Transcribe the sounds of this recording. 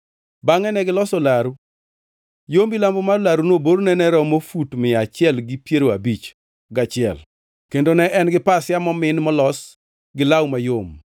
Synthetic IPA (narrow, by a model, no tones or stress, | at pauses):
baŋɛnɛɡɪlɔsɔlaɾu | jombilambomalaɾunoboɾnɛnɛɾɔmofutmɪat͡ʃɪɛlɡɪpjeɾoabit͡ʃ | ɡat͡ʃɪɛ̰l | kendonɛʔɛnɡɪpasɪjamɔmɪnmɔlɔs | ɡɪlawmajom